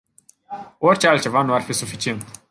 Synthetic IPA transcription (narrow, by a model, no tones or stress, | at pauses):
o̞rʲt͡ʃealt̪̚t͡ʃe̞vanuarfisufit͡ʃie̞nt̪